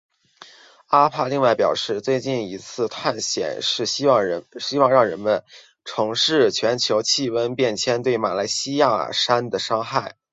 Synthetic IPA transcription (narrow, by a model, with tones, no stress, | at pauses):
a˥pʰa˥˧li˥˧ŋwa˥˩ɪpjɑ˨˩ʊʂɻ̩˥˧t͡swe˥˧ɪt͡ɕi˥˩ni˧˥t͡sʰɹ̩˥˧t̪ʰa˥˩nɕjɛ̰˨˩nʂɻ̩˥˩i˥ɑ˥˩ŋ˧˥ɕi˥wɑ˥˧ŋɻɑ˥˩ŋɻə˧˥nmə˧n | ʈ͡ʂʰɤ˧˥ŋʂɻ̩˥˩t͡ɕʰɥɛ˧˥nt͡ɕʰjo˧˥ʊt͡ɕʰi˥˩wə˥npjɛ˥˩nt͡ɕʰjɛ˥nt̪we˥˩ɪma̰˨˩la˧˥ɪɕi˥ja˥˩ʂa˥nd̪ə˨ʂɑ˥ŋxa˥˩ɪ